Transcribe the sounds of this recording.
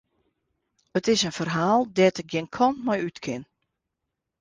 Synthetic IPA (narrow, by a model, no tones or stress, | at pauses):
ətɪsənfərɦaːlˠdɛtɪk̚ɡjɪnkʰɔnmɔjytkʰɪn